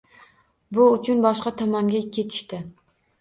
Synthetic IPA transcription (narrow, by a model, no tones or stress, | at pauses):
bʊʊt͡ʃʰʊnbɒʃqɑt̪ʰɒmaŋɡʲakʲʰe̞t̪ʰɪ̥ʃt̪ɪ